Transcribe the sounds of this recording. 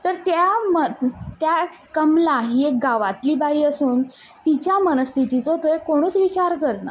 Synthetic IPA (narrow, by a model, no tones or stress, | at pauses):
t̪əɾt̪jamət̪ja | kəmlaɦiːek̚ɡaʋat̪liːbaiːəsuːnt̪it͡ɕjamənəst̪ʰit̪it͡sot̪əekoɽ̃uːt͡sʋit͡ɕaɾkəɾna̰